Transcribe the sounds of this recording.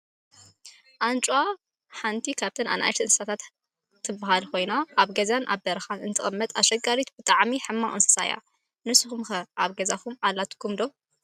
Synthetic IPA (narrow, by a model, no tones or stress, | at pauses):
ʔant͡ʃʼwa | ħant̪ʰikʰaβt̪ʰɨna̰na̰jʃɨnsɨ̥sat̪ʰat̪ | t̪ʰːɨbːɨɦalkʰo̞jnaʔːβɡɐzanʔa̰bbɐɾɐxanɨnt̪ʰɨxʼɨmːɐt̪ʼaʃɐɡaɾit̪bɨt̪ʼaʕmiħɨmːaŋʔʼɨnsɨ̥sa̰ja̰ | nɨsɨxumxɐʔaβɡɐzakumalːat̪ʰkʰumd̪o